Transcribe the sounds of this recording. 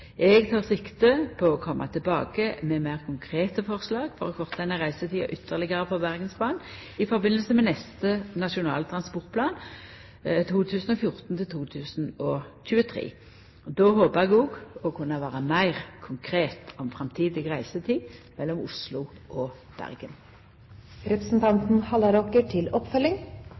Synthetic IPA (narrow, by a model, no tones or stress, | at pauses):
ʔɛɡt̪ʰɑːʁsɪkt̪əpʰɔɔkʰɔmʔɑ̰t̪ʰɪlbɑːkəmɛmæɪʁkʰʊŋkʰʁeːt̪əfɔʁslɑːɡfɔɾɔkʰɔʁt̪ʰd̪ɛnːəʁæɪsət̪ʰiːɑ̰ʔʏt̪ʰːəʁlɪɡəʁəpɔbæʁɡənspʰlɑːn | ɪfɔʁbɪnːəlsəmɛnɛst̪ənɑʃʊnɑ̰ːlt̪ʰʁɑnspɔʁt̪̚pʰlɑːn | t̪ʰuːt̪ʰʉːsən̩ɔfjʊʁt̪n̩t̪ʰɪlt̪ʰuːt̪ʰʉːsnɔçʉːət̪ʰʁḛː | d̪oːɦoːpəʁɛɡuːɡɔkʰʉnːəʋæːʁəmæɪʁkʰʊŋkʰʁeːt̪ʰɔmfʁɑmt̪ʰiːd̪ɪɡʁæɪsət̪ʰiːmɛlːɔmʊslʊʔɔ | b̥æ̰ʁɡən | ɾɛpəsn̩t̪ʰɑnt̪n̩hɑləɾɔkəʈʰɪlɔpfœlɪŋ